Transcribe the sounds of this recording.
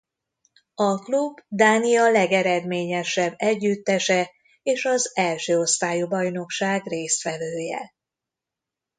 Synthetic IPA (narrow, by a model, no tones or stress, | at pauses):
ɒklubd̪aːnijɒlɛɡɛɾɛd̪meːɲɛʃɛbːɛɟːyt̪ːɛʃɛ | eːʃɒzɛlʃøːo̞st̪aːjubɒjno̞kʃaːɡreːst̪ʋɛvøːjɛ̰